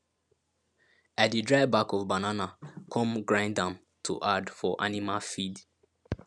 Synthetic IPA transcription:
atdidɹaɪbakɔvbananakʰɔ̃mɡɹãɪ̃ndãm | tʰṵʔadfɔʔa̰nimalfid

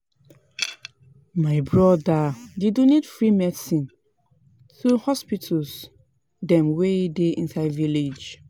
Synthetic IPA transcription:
maɪbɹɔdadidũnidfɹimɛdsĩn | θɹuhɔspitʰəls | dɛ̃mweideḭ̃nsaɪviled͡ʒ

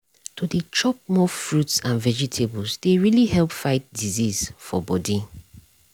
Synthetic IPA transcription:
tʰodet͡ʃɔp̚mɔfɹutsãnvɛd͡ʒitʰebɔlsd̥eɹilihɛlpfaɪt̚dizisfɔ̰bɔdi

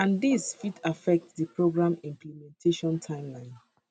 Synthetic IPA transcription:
ãndisfitʰafɛk̚tdipɹoɡɹãmĩmplimɛ̃ntʰeʃɔ̃ntʰãɪ̃mlãɪ̃n

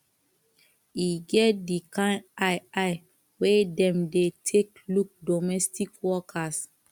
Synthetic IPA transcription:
iɡɛt̚dikãdaɪaɪ | wedɛ̃mdetʰek | luk̚dɔmɛstikwɔkʰas

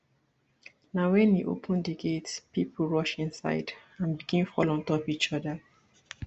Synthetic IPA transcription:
nawɛ̃neʔo̰pʰə̃ndeɡetspip̩ʰɹɔʃĩnsa̰ɪdãnbiɡĩnfɔ̰lɔ̃ntɔpit͡ʃɔda

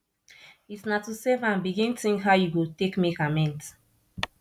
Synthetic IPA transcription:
itsnatusɛvãnbiɡĩntĩŋɦaʊjuɡotekmikamɛ̃nt

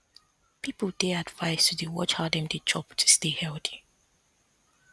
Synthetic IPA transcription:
pipəlˠdeadvaɪstʰudəwɔt͡ʃadɛ̃mdɨd͡ʒɔptʰu̥stehɛlˠti̥

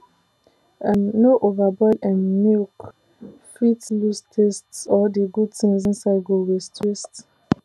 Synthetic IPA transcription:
ãnːoʔovabɔdãnmuk | fitlustʰestsɔdəɡudθĩŋzĩnsaɪdɡoɹɛstʰɹist

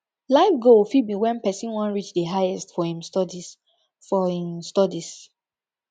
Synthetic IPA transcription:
laɪfɡolfibiwɛ̃npɛsĩnwɔ̃nɹit͡ʃdəɦajɛstfɔhĩmstdi | fɔhĩmstɔdis

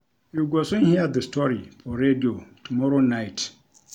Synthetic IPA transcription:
juɡɔsʊ̃nhiad̪əstʰɔɾifɔɾediotʰumɔɾonaɪt

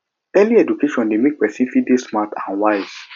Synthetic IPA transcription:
ɛliɛd͡ʒukeʃɔ̃ndemek̚pɛsĩnfidesmatã̰nwaɪz̥

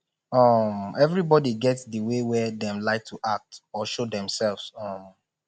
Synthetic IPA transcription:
ɔmɛvɹibɔdiɡɛtdəwewɛdɛ̃mlaɪk̚tʰuʔak̚tɔʃodɛ̃msɛlvsɔ̃m

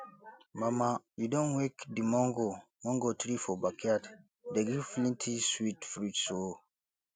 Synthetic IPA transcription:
mamajudɔ̃nwekdimɔŋɡo | mɔ̃ŋɡotɾifɔbakiat | deɡivflĩntʰiswitfɾitso

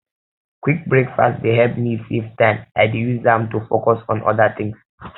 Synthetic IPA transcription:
kʰwik̚bɹekfa̰stdeɦɛvmififtɛ̃naɪdujuzdãmtufokɔsɔ̃nʔɔ̰dət̪ɪ̃ŋs

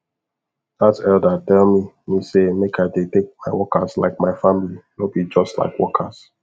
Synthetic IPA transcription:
datɛldatɛlˠmi | misemekʰaɪdetek̚maɪwɔkasla̰ɪk̚maɪfãmilinõb̥id͡ʒɔstla̰ɪkwɔkʰas

